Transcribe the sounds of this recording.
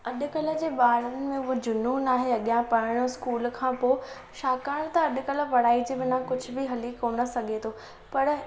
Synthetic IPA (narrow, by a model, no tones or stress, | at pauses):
ɐɗʊ̆kɐlə̆d͡ʑeːɓaːɾənɪ̆mẽʊɦod͡ʑʊnunaːɦeɐɠijãpɐɾɪɽ̃oskuːlkʰãːpoː | ʃaːkaːɽ̃t̪ɐɐɗʊ̆kɐlə̆ʋɐɽ̤aːid͡ʑiːʋɪnãkʊd͡ʑʱʊ̆bɪɦɐliːkːoːnə̆sɐɡʱet̪ʰoː | pɐɾ